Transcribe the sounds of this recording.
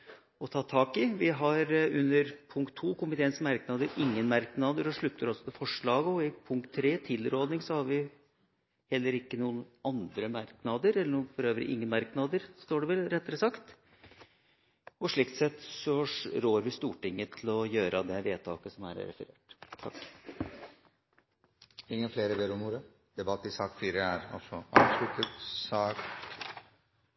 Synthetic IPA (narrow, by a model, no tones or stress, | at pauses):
ɔt̪ʰɑːt̪ʰɑːkɪʋɪɦɑɾʉnːəɾpʰʊŋkt̪ʰːuːkʊmɪt̪ʰeːənsmɑɾknɑd̪əɾɪŋːənmɑɾknɑd̪əɾɔʂɭʉt̪ʰːəɾɔlsɔt̪ʰɪlfɔʂɭɑːɡəɔɪpʰʊŋk̚t̪ʰːɾeːt̪ʰɪlːɾoːd̪nɪŋsɔhɑɾʋɪ | hɛlːəɾɪkːənuːənɑnd̪ɾəmɑɾknɑd̪əɾɛlːəɳuːnfɔɾøːʋɾɪ̰ʔɪŋːənmɑɾknɑd̪əɾst̪oːɖɛʋɛlɾɛt̪ːəɾəsɑkt̪ | ɔʂɭɪkt̪sɛt̪ːsɔɾoːɾʋɪst̪uːʈɪŋːət̪ʰɪlɔjøːɾʔəd̪ɛʋeːt̪ʰɑ̰ːkəsɔmæ̰ɾ̰ɾɛ̰fəɾḛːʈt̪ʰɑkː | ɪŋːənfleːɾəd̪eːɾɔmuːɾə | d̪̥ɛbɑt̪ːɪsɑːkfyːɾəæɾɑ̰lsɔɑ̰slʉt̪əɾsɑːk